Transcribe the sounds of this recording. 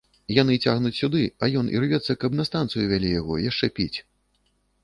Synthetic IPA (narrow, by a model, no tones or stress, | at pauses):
jan̪ɨt͡sʲaɣnut͡sʲsʲud̪ɨɐjɔnʔḭrvʲɛt̪sːɐkɐbnɐst̪ant̪sɨjuvʲalʲijaɣɔ̰jaʂt͡ʂɛpʲit͡sʲ